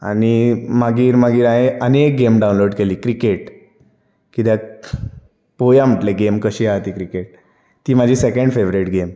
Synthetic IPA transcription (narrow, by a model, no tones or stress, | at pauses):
a̰nimaɡiːɾmaɡiːɾaɦeʔənek̚ɡemɖawũnloɽkeliːkɾikeʈ | kit̪ɛ | pojam̤əʈleɡemkəɕiːat̪ikɾikeʈ̚ | t̪iːmad͡ʑʱisekəɳɖfeʋɾiʈɡem